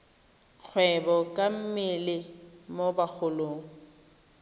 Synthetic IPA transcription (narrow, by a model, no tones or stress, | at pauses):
q͡χʰwɛbɔkʼam̩mɪlɪmobak͡xʰʊloːŋ̩